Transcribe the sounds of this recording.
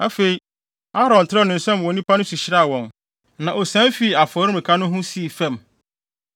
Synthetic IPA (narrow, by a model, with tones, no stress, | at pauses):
a˨fe˨i˦ | a˦ɾɔ̃˨n˨tʰɪ˦ɾɔ˦˨nɪ̃˨n̩˨sɛ̃˦m˨wɔ̃˨nĩ˦pa˦nʊ̃˦su˨ɕɪ˦ɾa˦˨wɔ̃˨n | nã˨ʔɔ˨sɛ̃˦fi˦˨a˨fɔ˨ɾɪ̃˦m˨ɪ̃˨kʰa˦nʊ̃˦ɦʊ̃˦si˦˨fɛ̃˦˨m